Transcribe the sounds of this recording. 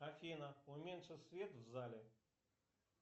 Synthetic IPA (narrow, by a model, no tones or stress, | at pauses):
ɐfʲinəʊmʲenʂɨt̪ʲsʲvʲet̪vzalʲɪ